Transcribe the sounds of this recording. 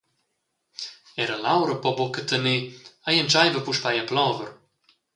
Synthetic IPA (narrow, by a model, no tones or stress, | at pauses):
ɛɾəlawɾəpɔbɔkət̪əniajɛnt͡ʃajvəpuʃpajaplɔvəɾ